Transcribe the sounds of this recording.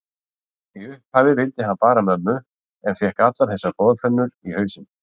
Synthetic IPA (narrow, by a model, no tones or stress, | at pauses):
iʏhphaːvðɪvɪlt̪ɪhanpaːɾamœðmːʏ | ɛnfjɛhkat̪laɾθɛsapɔːðfɾɛnːʏɾihœːɥsɪn